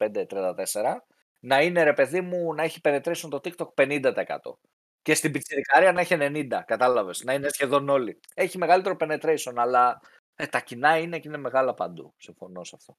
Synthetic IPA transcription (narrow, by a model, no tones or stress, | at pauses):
pend̪et̪ɾiɐnd̪ɐt̪e̞se̞ɾɐ | nɐine̞ɾe̞pe̞ðimunɐeçi̥pe̞ne̞t̪ɾesont̪o̞t̪ikt̪o̞k̚pe̞nind̪ɐt̪ɐekɐ̰t̪o̞̰ | ce̞st̪ibit͡siɾikɐɾiɐnɐeçene̞nind̪ɐkɐt̪ɐlɐve̞snɐine̞sçe̞ðo̞no̞li | e̞çime̞ɣɐlit̪e̞ɾope̞ne̞t̪ɾeseo̞nɐlɐ | et̪ɐcinɐinecine̞me̞ɣɐlɐpɐ̰nd̪ṵsiɱfo̞no̞sɐft̪o̞